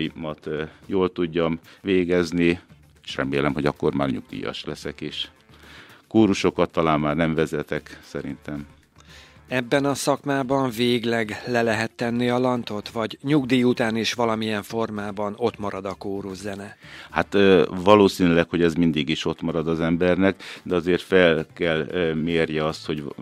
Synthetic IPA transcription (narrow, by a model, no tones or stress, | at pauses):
imɒt̪joːlt̪uɟːɒmveːɡɛzni | eʃrɛmeːlɛmho̞ɟɒkːorma̰ːrɲṵɡ̚d̪ḭːjɒ̰ʃlɛsɛkeːʃ | koːɾuʃo̞kɒt̪ːɒlaːmːaːrnɛɱvɛzɛt̪ɛksɛɾḭnt̪ɛm | ɛbːɛnɒsɒkmaːbɒɱveːɡlɛɡlɛlɛɦɛt̪ːɛnːiɒlɒnt̪o̞t̪ʋɒɟɲuɡd̪iːjut̪aːniʃʋɒlɒmiɛɱfo̞rmaːbɒno̞t̪mɒɾɒd̪ɒkoːɾuʒzɛnɛhat̪vɒloːsiːnylɛkho̞ɟɛzmind̪iɡiʃo̞t̪mɒɾɒd̪ɒzɛmbɛrnɛkd̪ɛɒzeːrt̪fɛlkɛlmeːrjɛɒst̪ho̞ɟ